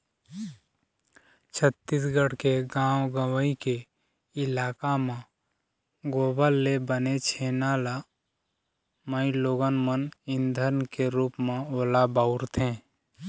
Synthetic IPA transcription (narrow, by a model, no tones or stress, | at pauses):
t͡ʃʰət̪ːiːsɡəɽkeɡãːwɡəwəike | ɪlaːkamã | ɡoːbəlːebənet͡ʃʰeːnaːla | məiloːɡənmənɪ̃nd̪ʱəɾnkeɾuːpmẽoːlabaʊɾt̪ʰẽː